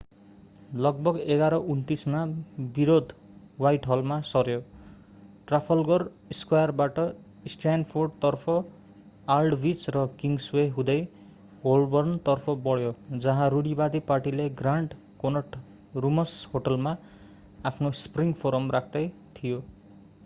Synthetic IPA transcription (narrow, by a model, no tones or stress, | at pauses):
lʌɡ̚bʌɡeɡaɾʌʔunt̪ismabiɾod̪ʱ | wajʈɦʌlmasʌrjo | ʈrapʰʌlɡʌr | skwajʌrbaʈʌ | sʈanpʰorɖt̪ʌrpʰʌ | alɖbit͡srʌkiŋɡsweɦũd̪ʌj | ɡolbʌrnt̪ʌrpʰʌbʌɽjod͡zʌɦãɾuɽibad̪iparʈileɡraɳɖ | konʌʈ | rumʌshoʈʌlma | apʰnospriŋɡpʰoɾʌmrakʰd̪ʌj | t̪ʰijo